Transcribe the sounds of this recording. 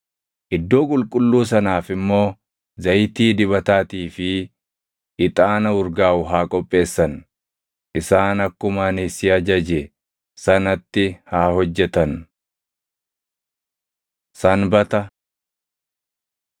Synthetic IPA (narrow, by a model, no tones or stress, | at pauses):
ʔɪd̪ːo̞ːkʼʊlkʼʊlːuːs̬ɐnaːfɪmːo̞ː | zɐjt̪iːd̪ɪβɐt̪aːt̪iːfɪ | ʔɪt̪ʼaːnɐʊɾɡaːʔʊɦaːkʼɔpʼːe̞ːsːɐn | ʔɪsaːnɐkːʊmaːnɪsɪɐd͡ʒɐd͡ʒɛ | sɐnɐt̪ːɪhaːhɔd͡ʒːɛt̪ɐn | sɐnbɐt̪ɐ